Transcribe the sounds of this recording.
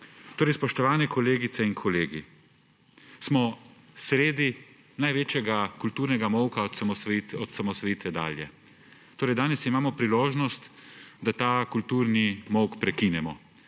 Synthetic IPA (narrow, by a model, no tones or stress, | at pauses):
t̪oːɾɛjspɔʃt̪ɔʋaːnɛkʰɔleːɡit̪sɛiŋkʰɔleːɡi | smɔ | sɾeːd̪i | najʋeːt͡ʃjɛɡakult̪uːɾnɛɡamɔwkaɔt̪samɔsɔt̪samɔsʋɔjiːt̪ʋɛd̪a̰ːljɛ | t̪oːɾɛjd̪aːnɛsimaːmɔpɾiloːʒnɔst̪d̪at̪aːkult̪uːɾnimɔwkpɾɛkinɛmɔ